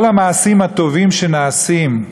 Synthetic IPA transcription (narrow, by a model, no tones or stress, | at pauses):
lamaːsimhat̪o̞vimʃenaːsim